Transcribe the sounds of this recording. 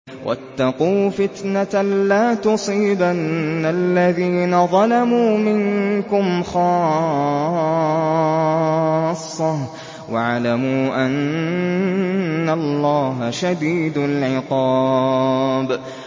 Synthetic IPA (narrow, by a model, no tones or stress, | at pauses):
wʔa̰t̪ːɑquːfɪt̪naalːaːt̪ʊsˤiːbanːalːaðiːnaðˤɑlamuːmɪŋkʊmxɑː | sˤːɑ | waʕlamuːʔan | alːɑːɦaʃad̪iːd̪alʕɪqɑː | b